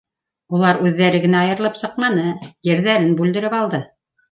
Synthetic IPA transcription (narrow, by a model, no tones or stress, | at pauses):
ulˠɑɾʉðːæɾɘɡɘ̆næɑjɤ̆ɾɤ̆lˠɤpsɤ̆q̚mɑnɤjɘ̆ɾðæɾɘnbʉld̪ɘ̆ɾɘpɑlˠd̪ɤ